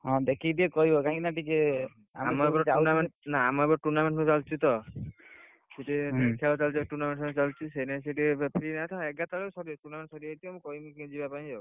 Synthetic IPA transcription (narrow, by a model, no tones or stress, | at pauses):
ɦɔ̃d̪ekʰid̪iekɔɦibɔkaĩnaʈ̬ike | a̰mamɔbɔɾt͡ʃanamenaːmɔebɔɾɔʈuɾnameɳʈnũt͡ʃalt͡ʃʰit̪ɔ | seʈitikʰaɔt͡ʃalt͡ʃiʈuɾnameɳʈt͡ʃalt͡ʃʰisejnas̬eʈibpʰɾinat̪ʰaeɡat̪aɾɔsɔɾiʈuɾnameɳʈsɔɾiet̪iamũkɔɦimukĩd͡ʒibapaĩd͡ʒɔw